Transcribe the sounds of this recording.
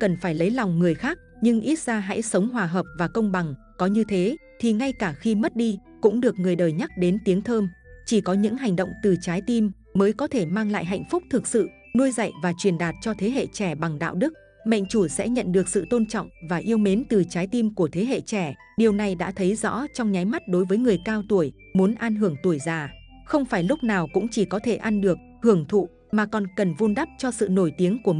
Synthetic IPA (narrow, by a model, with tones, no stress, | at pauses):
kə˨˩nfaː˧˩jlə˨˦jlɔ˨˩wŋ͡mŋɨ˨˩əjxaː˦˥k̚ɲɨ˧ŋʔi˦˥t̚z̥aː˧ɦa̰˧˥jsə˨˦wŋ͡mɦwaː˨˩ɦəː˨˩p̚vaː˨˩kə˧wŋ͡mɓa˨˩ŋ | kɔ˨˦ɲɨ˧t̪ʰe˨˦t̪ʰi˨˩ŋa˧jkaː˧˩xi˧mə˦˥t̚ɗi˧kʊ̰˧˥ŋ͡mɗɨ˨˩ək̚ŋɨ˨˩əjɗəː˨˩jɲa˦˥k̚ɗe˨˦nt̪i˨˦əŋt̪ʰəː˧mt͡ɕi˧˩kɔ˨˦ɲɨ̰˧˥ŋɦa˨˩jŋ̟ɗo̰˧˨wŋ͡mt̪ɨ˨˩t͡ɕaː˨˦jt̪i˧mː | əː˨˦jkɔ˨˦t̪ʰe˧˩maː˧ŋla̰ː˧˨jɦa̰˧˨jŋ̟fʊ˦˥k͡p̚t̪ʰɨ˨˩k̚sɨ̰˧˨ | nu˧əjza̰˧˨jvaː˨˩t͡ɕwi˨˩ənɗaː˨˩t̚t͡ɕɔ˧t̪ʰe˨˦ɦḛ˧˨t͡ɕɛ˧˩ɓa˨˩ŋɗa̰ː˧˨wɗɨ˦˥k̚ | mə̰˧˨jŋ̟t͡ɕu˧˩sɛ̰˧˥ɲə̰˧˨nɗɨ˨˩ək̚sɨ̰˧˨t̪o˧nt͡ɕɔ̰˧˨wŋ͡mvaː˨˩ʔi˧əwme˨˦nt̪ɨ˨˩t͡ɕaː˨˦jt̪i˧mku˧˩ət̪ʰe˨˦ɦḛ˧˨t͡ɕɛ˧˩ | ɗi˨˩əwna˨˩jɗa̰ː˧˥t̪ʰə˨˦jzɔ̰˧˥t͡ɕɔ˧wŋ͡mɲa˨˦jma˦˥t̚ɗo˨˦jvəː˨˦jŋɨ˨˩əjkaː˧wt̪u˧˩əj | mu˨˦nʔa˧nɦɨ˧˩əŋt̪u˧˩əjzaː˨˩ | xə˧wŋ͡mfaː˧˩jlʊ˦˥k͡p̚naː˨˩wkʊ̰˧˥ŋ͡mt͡ɕi˧˨˩kɔ˨˦t̪ʰe˧˩ʔa˧nɗɨ˨˩ək̚hɨ˧˩əŋt̪ʰṵ˧˨ | maː˨˩kɔ˨˩nkə˨˩nvo˧nɗa˦˥p̚t͡ɕɔ˧sɨ̰˧˨no˧˩jt̪i˨˦əŋku˧˩ə